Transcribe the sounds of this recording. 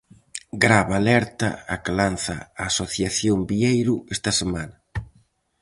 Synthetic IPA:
ɡɾaβalɛɾt̪ɐ̰ːklanθa̰aːsoθjaθjombiejɾʊɛst̪ɐsemanɐ

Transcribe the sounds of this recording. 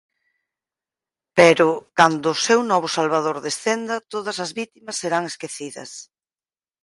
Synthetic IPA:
peɾʊkand̪ʊːsewnɔβ̞ʊsalβaðoɾðesθend̪ɐt̪oðɐsɐzβit̪imɐsːeɾaŋeskeθiðɐ̰s

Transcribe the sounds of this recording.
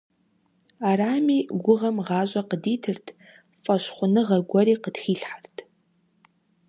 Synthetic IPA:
aɾaːmiːɡʷʊʁɐmʁɑːɕʷʼɐqədiːtʰɨrtʰ | fʼɐɕχʷʊnɨʁɐɡʷɔɾiːqədxiːɬħartʰ

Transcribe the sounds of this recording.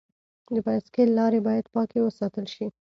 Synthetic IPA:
d̪əpaskelːɑɾebɑjad̪pɑkewəsɑt̪əlʃi

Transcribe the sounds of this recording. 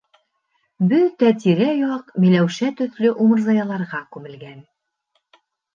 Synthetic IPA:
bɵt̪æt̪̬iɾæjɑqmilæwʃæt̪ɵ̆θlɵʔumɤ̆ɾzɑjɑlˠɑɾʁɑkʉmɘ̆lɡæn

